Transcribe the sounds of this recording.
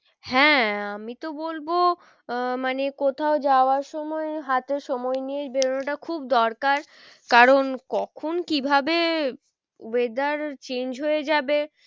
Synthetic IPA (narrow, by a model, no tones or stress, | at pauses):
hɛ̃amit̪obolbo | manekot̪ʰaod͡ʑaoaɾʃɔmɔeɦat̪eɾʃɔmɔeniebeɾonoʈakʰub̚d̪ɔɾkaɾ | kaɾonkɔkʰonkibʱabe | wed̪aɾt͡ɕend͡ʑɦoed͡ʑabe